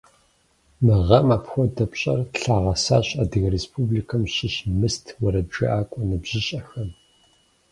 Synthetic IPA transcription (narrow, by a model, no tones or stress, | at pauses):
mɨʁɐmaːpxʷɔdɐpɕʼɐ̰rɬaːʁɐsaːɕaːdɨɣɐɾespʰublikʰɐmʃɪʃmɨstʰwɐɾɐbʒɐʔaːkʷʼɔnɨbʑ̥ɪɕʼɐxɐm